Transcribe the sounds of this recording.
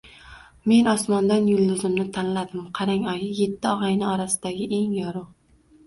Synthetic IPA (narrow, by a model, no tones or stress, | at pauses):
me̞nɒsmɒnd̪anjʊlˠd̪ɪzɪmnɪt̪ʰanlad̪ɪmqʰɑɾaŋɒjɪje̞t̪ʰːɪɒʁɑjnɪɒɾasɪd̪̥aɡʲɪʔe̞ŋjɒɾʊ